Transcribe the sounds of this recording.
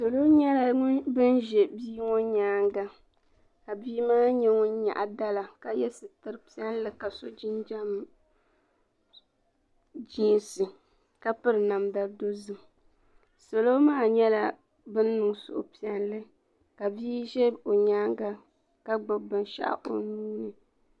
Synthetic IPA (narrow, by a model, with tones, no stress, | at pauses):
so˨lo˦ɲɛ˦la˨ŋʊ˦nbɨ˦nʒɛ˨biː˦ŋɔ˦ɲaː˦ŋɡa˦ | ka˨biː˦maː˦ɲɛ˦ŋʊ˦n˦ɲa̰˨ʔa˨da˦la˨ka˦jɛ˦sɨ˨tɨ˦ɾɨ˦pi˦a˦n˦lɨ˦ka˨so˦d͡ʒi˦nd͡ʒa˦m˨ | d͡ʒiː˦nsɨ˨ | ka˦pɨ˦ɾɨ˨na˨mda˨˦do˦zɨ˨ | so˨lo˦maː˦˨ɲɛ˦la˨ | bɨ˦nː˦ɨ˨ŋsʊ̰˨ʔʊ̰˨pi˨ɛ˨nlɨ˦ | ka˨biː˦ʒɛ˦o˨ɲaː˦ŋɡa˦ | ka˦ɡ͡bɨ˨bɨ˨nʃa̰˦ʔa̰˦˨ʔo̰˨nuː˦nɨ˨